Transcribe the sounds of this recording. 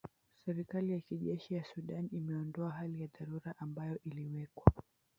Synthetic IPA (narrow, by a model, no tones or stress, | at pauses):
sɛɾikalijakiʄɛʃijasuɗanimɛɔndɔaɦalijaðaɾuɾaʔambajɔʔiliwɛkwa